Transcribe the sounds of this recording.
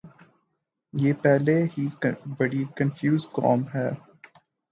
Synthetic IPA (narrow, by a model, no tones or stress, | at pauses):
jeːpɛːɦleɦibɐɽikɐ̃nfjuːzkɔ̰ːmɦɛː